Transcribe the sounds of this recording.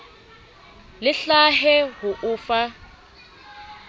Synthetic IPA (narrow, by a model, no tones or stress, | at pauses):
lɪɬaɦɛɦʊʔʊːfa